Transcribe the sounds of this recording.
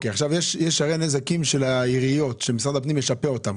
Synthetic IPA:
okeaχʃavjeʃjeʃaʁenezakimʃe̞laiʁijo̞t̪ʃemisʁad̪apnimjeʃapeo̞t̪am

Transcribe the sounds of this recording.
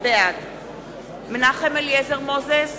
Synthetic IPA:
bead | menaχemeljezeʁmozes

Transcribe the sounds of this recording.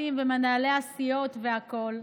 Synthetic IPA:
imvemanaleasijo̞t̪ve̞ako̞l

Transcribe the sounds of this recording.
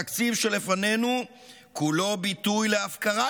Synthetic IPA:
akt͡sivʃe̞le̞fane̞nu | kulo̞bit̪ujle̞afkaʁa

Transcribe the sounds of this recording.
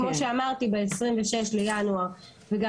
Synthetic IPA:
mo̞ʃeamaʁt̪ibeesʁimveʃeʃlejanuaʁ | veɡa

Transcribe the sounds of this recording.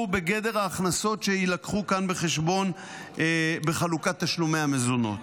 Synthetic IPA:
ube̞ɡe̞de̞ʁaːχnaso̞tʃe̞ilakχukanbe̞χe̞ʃbo̞n | be̞χalukat̪ːaʃlume̞jamezono̞̰t

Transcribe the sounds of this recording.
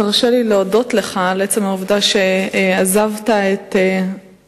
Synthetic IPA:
aʁʃelileodo̞tleχaleet͡semauvdaʃeazavtaete

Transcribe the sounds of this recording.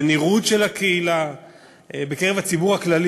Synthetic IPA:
niʁudʃe̞lakeila | bekeʁevat͡sibuʁhaklal

